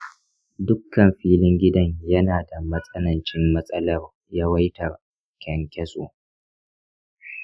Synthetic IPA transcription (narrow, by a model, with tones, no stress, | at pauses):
dʊ˦kːɐ˨mɸiː˦lɪ˦ŋɡʲɪ˦dɐ˦ɲjɐ˦naː˨da˨mɐ˦sʼɐ˦nɐ˨nt͡ʃɪ˦mːɐ˦sʼɐ˦lɐ˦˨r | ja˦wɐ˦jtɐ˨r | kʲɛ˨ŋkʲɛ˦sʼo̰ː˨